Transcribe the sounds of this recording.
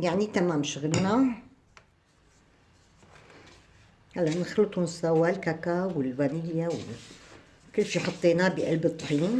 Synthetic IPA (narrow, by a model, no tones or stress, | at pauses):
jaʕnit̪amaːmʃʊɣɪlna | halːaʔnɪxlɨt̪ˤʊnsawːalkakawɪlbanɪjːawɪ | kɪlːʃiːħɑt̪ˤːiːnabɪʔalbɨt̪ˤːħiːn